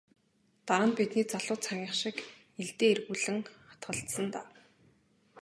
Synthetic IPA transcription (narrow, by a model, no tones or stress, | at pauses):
t̪aːnpit̪niːt͡saɮʊːt̪t͡sʰaŋʲiːχʃɪ̆k | eɮt̪eːerɣuːɮɘ̆ŋχḁt̪ɢə̆ɬt̪sə̆nt̪aː